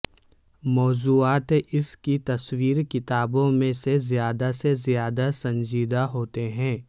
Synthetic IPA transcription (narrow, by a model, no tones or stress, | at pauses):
mɔːzuːaːt̪ʔɪskit̪ɐswiːɾkɪt̪aːbõmẽsezijaːd̪asezijaːd̪asɐ̃nd͡ʒiːd̪aɦoːt̪eɦɛ̃ː